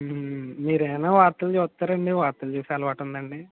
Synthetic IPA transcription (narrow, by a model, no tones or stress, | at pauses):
miːɾɛjnaːʋaːɾt̪ːɐld͡ʒɛːt̪ːaːɾɐɳɖiʋaːɾt̪ːɐlt͡ʃuːsiɐlɐʋaːʈund̪ɐɳɖi